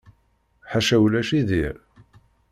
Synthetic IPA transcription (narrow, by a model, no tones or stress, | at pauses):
ħaʃæwlæʃiðiɾ